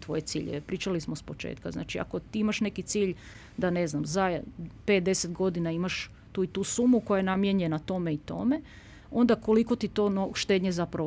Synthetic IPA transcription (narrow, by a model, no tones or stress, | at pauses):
t̪ʋo̞jet̪siːʎḛʋepɾiːt͡ʃalismospo̞t͡ʃḛːt̪̚ka̰zna̰ːt͡ʃia̰ko̞t̪iimaʃne̞kit̪siːʎ | d̪ane̞znamzajpe̞t̪̚d̪e̞set̪ɡo̞d̪inaimaʃ | t̪uːit̪uːsumuko̞jajenamjeɲenat̪o̞me̞it̪o̞̰me̞ | o̞nd̪ako̞liko̞t̪it̪o̞noʃt̪e̞ːd̪ɲezapɾa